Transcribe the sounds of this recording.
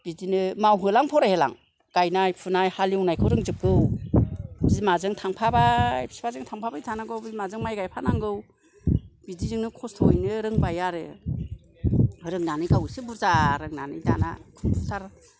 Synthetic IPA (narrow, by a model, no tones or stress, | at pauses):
b̥idinɯmawɦɯlaŋpʰɔɾahela̰ŋ | ɡ̥ajnajpʰunajhaliwnajkʰɯwɾɯŋzɯp̚ɡɯw | bizimazɯŋtʰaŋpʰabajbi̥si̥pʰazɯŋtʰaŋpʰabajtʰanaɡɯwbizmazɯŋmajɡajpʰanaŋɡɯw | b̥idizɯŋnɯkʰɔstʰɔojnɯɾɯŋbajaɾɯ | ɾɯŋnanɯjɡawsɯbuɾzaɾɯŋnanɯjda̰na̰kʰɯmpʰutʰaɾ